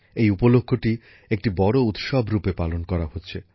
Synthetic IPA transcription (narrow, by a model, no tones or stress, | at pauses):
ejupolokʰːoʈi | ek̚ʈibɔɽout̪ʃɔbʱɾupepalonkɔɾaɦotːɕʰe